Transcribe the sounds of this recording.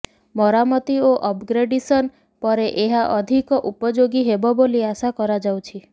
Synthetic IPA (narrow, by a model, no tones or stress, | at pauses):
mɔɾamɔt̪ioʔɔpɡɾeɖisɔn | pɔɾeʔeɦaʔɔd̪ʱikɔʔupɔd͡ʒoɡiɦebɔboliasakɔɾad͡ʒawt͡ʃʰi